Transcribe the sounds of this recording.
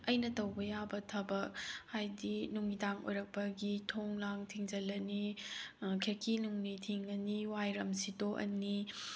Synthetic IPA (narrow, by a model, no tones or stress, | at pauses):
ɐjnɐtɐwbɐjabɐtʰɐbɐk̚hajdinuŋidaŋo̰jɾɐk̚pɐɡitʰoŋlaŋtʰiŋd͡ʒɐlɐni | kʰeɾkʰinuŋnitʰiŋɐniwajɾɐmsidoʔɐ̰ni